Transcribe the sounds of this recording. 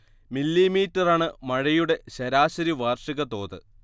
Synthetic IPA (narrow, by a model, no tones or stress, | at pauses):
milːimiːtːɐraːɳɨmɐɻɐjuɽe̞ɕɐɾaːɕɐɾiʋaːrʂiɣɐt̪o̞̰ːðɨ